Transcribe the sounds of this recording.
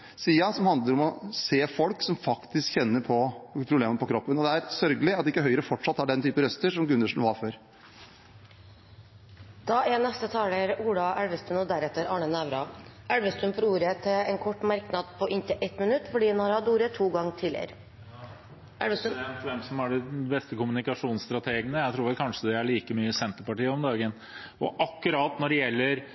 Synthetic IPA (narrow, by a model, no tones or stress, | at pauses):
siːɑsɔmhɑnd̪ləɾɔmɔseːfɔlksɔmfɑkt̪ɪskçɛnːəɾpʰɔpʰɾʊbleːməəpʰɔkʰɾɔpːənɔd̪ɛæɾsœɾɡəlɪɑt̪ɪkːəɦœʏəɾəfɔʈʂɑt̪ːhɑɖɛnt̪ʰyːpəɾœst̪əʂɔmɡʉnd̪əʂn̩ʋɑɾføːɾ | d̪̥ɑːʔɛnɛst̪ət̪ʰɑːləɾuːɽɑʔæɽʋəst̪ɾʉnɔd̪æɾɛt̪ːəɾɑːɳənæʋɾɑæɽʋəst̪ɾʉnfɔɾuːɾət̪ʰɛɛnkʰɔʈːmɑɾknɑd̪pʰɔʔɪnt̪ʰɪʔɛt̪mənʉt̪ːfɔɖiːdɛnhɑɾhɑt̪uːɾət̪ʰuːɡɑŋːt̪ʰɪl̰ɾ | æɽʋəst̪ʋɛmsɔmæɖɛbɛst̪əkʊmʉnɪkɑʂuːnst̪ɾɑt̪ʰeːɡənəjæɪt̪ʰɾuːɾʋɛlkʰɑnʂəd̪ɛæɭiːkəmyːəsɛnt̪əɾpɑʈiːəɔmd̪ɑːɡən | ɔʔɑkːʉɾɑːt̪nɔɖɛjɛlːəɾ